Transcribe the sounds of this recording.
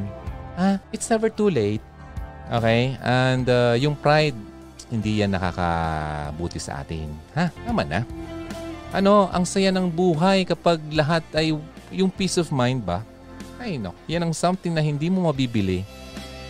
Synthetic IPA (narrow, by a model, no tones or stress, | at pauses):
ʔaʔɪt̪snɛvɛɹt̪uːlejt̪̚ | ʔo̰kɛjʔɛnd̪ajʊŋpɹajd̪̚ | hɪnd̪ijanːɐka̰ːkɐ̰buːt̪ɪsɐ̰ʔa̰ːt̪ɪ̰nhaamɐna̰ | ʔɐno̞ʔɐ̰ŋsɐjanɐŋbuːɦɐjkɐpaɡ̚lɐɦat̪̚ʔɐjjʊŋpiːsovmajnd̪̚bɐ | ʔajno̰k̚janɐŋsɐmt̪ɪŋnɐhɪnd̪iːmomɐbiːbɪlɪ